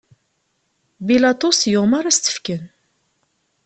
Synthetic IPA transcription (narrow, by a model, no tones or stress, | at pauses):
bilɑt̪ˤusjʊʁmɑɾæst̪ə̥fkən